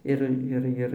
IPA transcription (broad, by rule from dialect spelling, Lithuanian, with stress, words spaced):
ˈɪr ˈɪr ˈɪr